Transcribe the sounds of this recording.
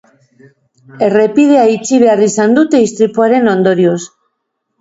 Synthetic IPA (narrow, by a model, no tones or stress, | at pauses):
e̞re̞piðeait͡ʃiβearisand̪ut̪e̞ist̪ɾipuaɾe̞no̞nd̪o̞ɾios